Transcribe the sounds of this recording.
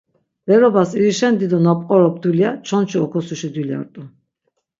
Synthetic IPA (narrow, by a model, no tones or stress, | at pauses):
bɛɾɔbasiɾiʃɛnd̪id̪ɔnapʼqʼɔɾɔb̚d̪uliat͡ʃʰɔnt͡ʃiɔkʰɔsuʃid̪wilia̰ɾt̪ʼu